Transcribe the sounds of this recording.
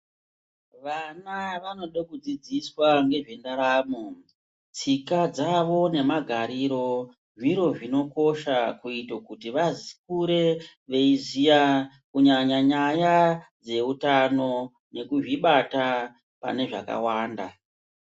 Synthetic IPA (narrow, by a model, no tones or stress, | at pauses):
ʋanaʋano̞ɗokud͡zid͡ziswaŋɡe̞ʐe̞ndaɾaːmo | t͡sikad͡zaʋo̞ne̞maɡʱaɾiɾo̞ | ʐiɾo̞ʐino̞ko̞ʃakuitokutiʋazik̚uɾe̞ | ʋe̞izija | kuɲaɲaɲajad͡ze̞utano̞ | ne̞kuʐiɓata | pa̰ne̞ʐa̰ka̰waːnda̰